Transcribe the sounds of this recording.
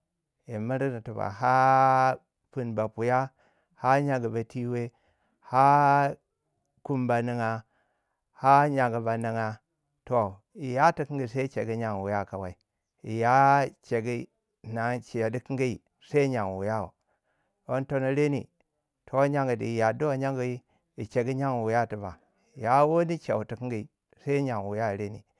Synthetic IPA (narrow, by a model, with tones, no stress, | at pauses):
i˨ma˦ɾi˦da˨tu˨ba̰˨ɦa˦ | pu˨nba˨pu˨ja˦ | ha˦ɲa˨ɡi˨ba˨ti˦we˦ | ha˦ | ku˦mba˨ni˦ŋa˨ | ha˦ɲa˨ɡi˨ba˨nə˦ŋa˦ | to˨ | i˨ja˦ti˦ki˦ŋɡi˨sa˦i˦t͡ʃe˨ɡi˦ɲa˨ŋ˨wu˨ja˦˨ka˨wa˨i˦˨ | i˨ja˦t͡ʃe˨ɡi˦˨ | na˨˦t͡ʃi˨ja˨di˦ki˦ŋɡi˦i˨ | sa˦ɲa˨ŋ˨wu˨ja˦o̰˨ | wo˦n˦to˦no˦ɾe˦nḭ˨ | tʰo˨˦ɲa˨ŋɡi˨di˨i˨ja˨du˦wa˨ɲa˦ŋɡu˨ji˦ | i˨t͡ʃe˨ɡi˦ɲa˦ŋ˨u˨ja˦˨ti˨ba̰˨ | ja˦wo˦ni˦t͡ʃḛ˨wu˨ti˨ki˦ŋɡi˨i˨ | sa˦ɲa˨ŋ˨wu˨ja˦˨ɾe˦nḭ˨